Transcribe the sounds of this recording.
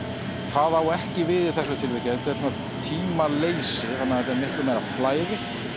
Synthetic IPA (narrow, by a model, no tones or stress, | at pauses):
θaðawɛhcɪvɪðɪθɛs̬ːɛt̪ʰɪlvɪcat̪ʰaɛɾsna | t̪ʰiːmaleːjsɪθanːaðɛt̪aɾmɪhklʏmɛɾaflaːjɾɪ